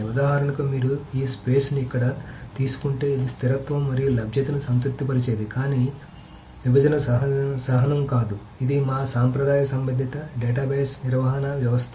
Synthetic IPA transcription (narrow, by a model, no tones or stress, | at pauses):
ɐd̪aːɦaːɾɐnɐk̪oːmiːɾuiːspeːsnuikːɐɽɐt̪iːsu̥kuɳʈe̞ːid̪ist̪ʰiɾɐt̪ʋɐmːɐɾijulɐbʱjɐt̪inusɐnt̪ut̪ːipɐɾit͡ʃeːd̪ikaːniː | ʋibɐd͡ʒ̪ɐnɐsɐɦsɐɦɐnɐmkaːd̪u | id̪imaːsaːmpɾɐd̪aːjɐsɐmbɐd̪ʱit̪ɐɖeːʈaːbɐjsniɾʋɐɦɐnɐʋjɐʋɐst̪ʰ